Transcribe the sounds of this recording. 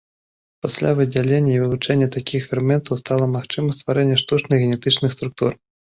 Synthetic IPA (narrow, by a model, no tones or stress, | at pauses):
pasʲlʲavɨd͡zʲalʲenʲːɐivɨvut͡ʂɛnʲːɐt̪akʲixfʲɛɾmʲɛnt̪ɐwst̪alˠɐmaxt͡ʂɨmɐst̪vaɾɛnʲːɐʂt̪ut͡ʂnɨɣɣʲɛnʲɛt̪ɨt͡ʂnɨxst̪ɾuk̚t̪ur